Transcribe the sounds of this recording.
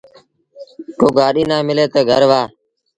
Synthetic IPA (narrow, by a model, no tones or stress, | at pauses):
koːɡaːɗiːnãːmɪleːt̪oːɡʱəɾʋaː